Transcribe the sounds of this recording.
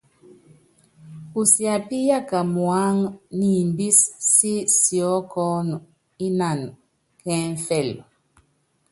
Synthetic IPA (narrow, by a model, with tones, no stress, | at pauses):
u˨sja˨pi˦ja˦ka˨mwa˦ŋni˨mbi˦sːi˦sjɔ˨˦kɔ˦nu˨ | i˦na˨n | kɛ̃˦ɱ˨fɛ˦˨lɔ˨